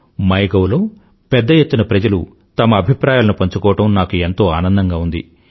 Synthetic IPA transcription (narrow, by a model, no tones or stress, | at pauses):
mɐjɡɐwlo̞ː | pɛd̪ːɐjet̪ːunɐpɾɐd͡ʒɐlu | t̪ɐmɐːbʱipɾaːjaːlɐnupɐɲt͡ʃukɔːʋɐʈɐmnaːkuent̪o̞ːaːnɐnd̪ɐŋɡaːund̪ḭ